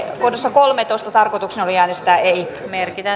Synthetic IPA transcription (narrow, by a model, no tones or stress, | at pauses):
kodesːɑkolmet̪oˑist̪ɑt̪ɑrkot̪uksenoliæːnest̪æːei | merkit̪æ